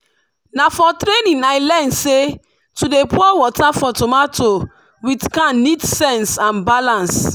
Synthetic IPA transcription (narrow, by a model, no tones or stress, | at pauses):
nafɔtɾenĩnajlãndse | tudepʰɔwɔtafɔtomatʰo | witkãnnitsɛ̃nsãnbalãns